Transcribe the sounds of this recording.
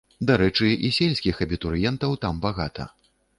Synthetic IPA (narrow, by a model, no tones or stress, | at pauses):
d̪aɾɛt͡ʂɨʔisʲelʲsʲkʲixɐbʲit̪uɾjɛnt̪ɐwt̪ambaɣat̪ʰɐ̰